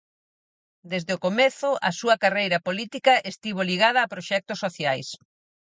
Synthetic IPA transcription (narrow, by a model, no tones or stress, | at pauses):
d̪ezðɪokomeθʊʔɐ̰suɐkarejɾɐpolit̪ikɐʔest̪iβoliɣað̞ɐːpɾoʃɛk̚t̪ʊsːoθjajs